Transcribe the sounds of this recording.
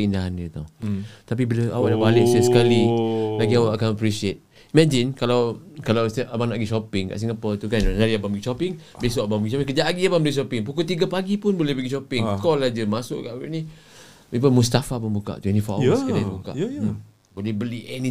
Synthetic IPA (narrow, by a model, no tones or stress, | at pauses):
əindaɦandət̪ot̪ap̬ibilaa̰waʔdabalɪksəasə̥kalilaɡiawaʔakanapɾisiet̪̚ | imad͡ʒinkalawkalawsʔabaŋnaʔɡiʃɔpɪŋka̰ʔs̬iŋapət̪ukannaɾiabaŋmbəɡiʃɔpɪŋ | besoʔabaŋmbəɡiʃɔpiŋkəd͡ʒaʔaɡiabaŋbəliʔʃɔpɪŋpukut̪̬iɡapaɡipʊnbolɛhbəɡiʃɔpɪŋkɔlad͡ʒəmasʊʔkaʔini | ip̬əmust̪afapənbuka̰ʔt̪uinifaʔskabuka̰ | bolɛhbəliʔɛnĩ